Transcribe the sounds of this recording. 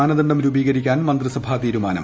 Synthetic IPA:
aːnɐðɐɳɖɐmɾubiːɣɐɾikʲːaːnmɐnd̪rɨsɐbʱaːt̪iːɾumaːnɐ̰m

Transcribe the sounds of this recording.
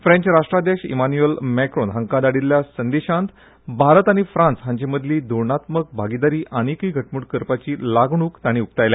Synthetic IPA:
fɾẽɲt͡ɕɾaʂʈɾad̪eɕḭmanujəlmɛkɾonɦəŋkad̪aɽilːjasənd̪eɕãnt̪ | bʱaɾət̪aɽ̃ifɾãnt͡sɦãɲt͡ɕeməd̪ʱliːd̪oɾɳat̪mək̚bʱaɡid̪aɾiːʔañikiːɡʱəʈmuɽkəɾpat͡ɕiːlaɡɳuːkt̪aɽ̃iːuk̚t̪ajla

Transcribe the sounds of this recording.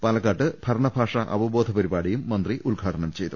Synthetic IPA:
pɐlɐkːaːʈːɨbʱɐɾɐɳɐbʱaːʂɐʔɐ̰bɐbo̞ːd̪ʱɐpɐɾibaːɽijumːɐnd̪riʔulɡʱaːʈɐɳɐmt͡ɕe̞jt̪ːu

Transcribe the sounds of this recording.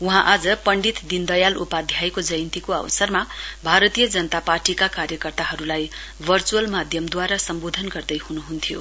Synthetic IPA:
uɦãʔad͡zʌpʌɳɖit̪d̪ind̪ʌjalʔupad̪ʱjajkod͡zʌjnt̪ikoʌ̰wsʌrmabʱaɾʌt̪ijʌd͡zʌnʌt̪aparʈikakaɾjʌkʌrt̪aɦʌɾulaj | bʱʌrt͡suʌlmad̪ʱjʌmd̪waɾasʌmbod̪ʱʌnɡʌrd̪ʌjhunuɦunt̪ʰijo̰

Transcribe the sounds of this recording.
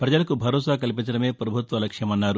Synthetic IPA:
pɾɐd͡ʒɐlɐkubʱɐɾɔːsaːkɐlipint͡ʃɐɽɐmeːpɾɐbʱut̪ʋɐlɐkʂjɐmɐnːaːɾu

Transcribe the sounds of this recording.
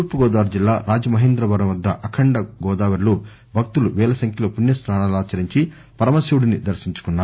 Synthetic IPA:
uɾpuɡɔːd̪aːʋɐɾd͡ʒilːaːɾaːd͡ʒɐmɐɦeːnd̪ɾɐbɐɾɐmʋɐd̪ːɐʔɐkʰɐɳɖɐɡɔːd̪aːʋɐɾlu | bʱɐk̚t̪uluʋɛːlɐsɐŋkjɐloːpunːjɐsɾaːɳaːlaːt͡ʃɐɾiɲt͡ʃi | pɐɾɐmɐsiwɽinid̪ɐɾʃiɲt͡ʃu̥kunːaːɾu

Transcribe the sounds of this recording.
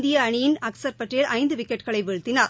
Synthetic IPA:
d̪ɪjɐːɳɪjɪnɐksɐɾpɐʈrɪjɐlʔɐɪnd̪ɯʋɪkːɛʈɣɐɭɐɪʋɛɻɯt̪ːɪnaːɾ

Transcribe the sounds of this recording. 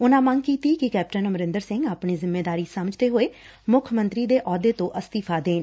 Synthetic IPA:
ʊnãːməŋɡkiːt̪iːkɪkɛːp̚ʈənməɾɪ̃nd̪əɾsɪŋɡaːpɳiːzɪmːeːd̪aːɾiːsəməd͡ʒt̪eːɦoːeː | mʊkʰmə̃nt̪ɾiːd̪eːʔɔːd̪eːt̪õːʔəst̪iːpʰaːd̪eːn

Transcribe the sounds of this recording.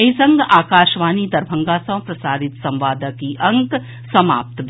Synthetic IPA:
eisɐ̃ŋɡaːkaːʃʋaːnid̪ɐɾbʱɐ̃ŋɡaːsɐ̃w̃pɾɐsaːɾɪt̪sɐ̃mʋaːd̪əkiʔɐ̃ŋk | sɐma̰ːp̚t̪b

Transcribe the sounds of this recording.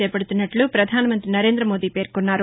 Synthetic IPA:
eːpɐɽut̪unːɐʈlupɾɐd̪ʱaːnɐmɐnt̪ɾinɐɾeːnd̪ɾɐmo̞ːd̪iːpe̞ːɾkonːaːɾu

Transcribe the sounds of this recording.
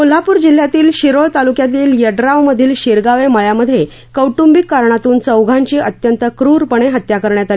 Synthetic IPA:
kul̤apuːɾd͡ʑil̤ːjat̪iːlɕiɾojt̪alukjat̪iːljəɖɾaʋməd̪ʱiːlɕiɾɡaʋeməɭjaməd̪ʱːje | kəwʈumbikkːaɾɳat̪uːnt͡səwɡʱãɲt͡ɕiːʔət̪jənt̪əkɾuɾpəɳ̃eɦət̪jakəɾɳjat̪ali

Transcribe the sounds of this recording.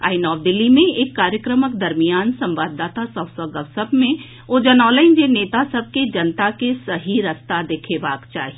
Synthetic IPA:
a̰ːɪnɔːʋd̪ɪlːimẽeːkːaːɾjəkɾəməkd̪ɐɾmijaːnsɐ̃mʋaːd̪ːaːt̪asəbsəɡəʋsəbʱmẽ | od͡ʒɐnɔːləɪnd͡ʒeneːt̪asɐb̚ʱked͡ʒɐnt̪akesɐɦiɾɐst̪ad̪eːkʰebaːkt͡ʃa̰ːɦie

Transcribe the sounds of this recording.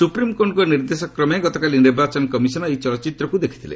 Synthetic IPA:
supɾimkoɳɖkɔniɾd̪esɔkɾɔmeɡɔt̪ɔkaliniɾbat͡ʃɔnɔkɔmisɔnɔejt͡ʃɔlɔt͡ʃit̪ɾɔkud̪ekʰi̥t̪ʰilḛ

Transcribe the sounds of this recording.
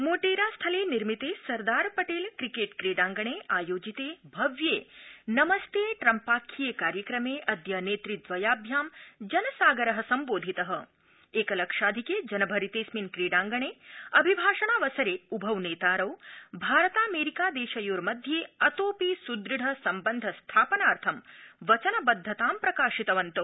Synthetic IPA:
moːʈeːɾaːst̪ʰɐleːniɾmit̪eːsɐɾd̪aːɾpɐʈeːlkɾikeːʈkɾeːɖaːŋɡɐɳeːʔaːjoːd͡ʒit̪eːbʱɐʋjeːnɐmɐst̪eːʈɾɐmpaːkʰːijekaːɾjɐkɾɐmeːʔɐd̪jɐneːt̪ɾit̪ʋɐjaːbʱjaːmd͡ʒɐnɐsaːɡɐɾɐɦɐ̆sɐmboːd̪ʱit̪ɐɦɐ | eːkɐlɐkʂaːd̪ʱikeːd͡ʒɐnɐbʱɐɾit̪eːsminkɾiːɽaːŋɡɐɳeːɐbʱibʱaːʂɐɳaːʋɐsɐɾeːubʱɐʋneːt̪aːɾɐwbʱaːɾɐt̪aːmeːɾikaːd̪eːʃɐjoːɾmɐd̪ʱjeːɐt̪oːpisud̪ɾiɽʱɐsɐmbɐnd̪ʱɐst̪ʰaːpɐnaːɾt̪ʰɐmʋɐt͡ʃɐnɐbɐd̪ʱːɐt̪aːmpɾɐkaːʃit̪ɐʋɐnt̪ɐ

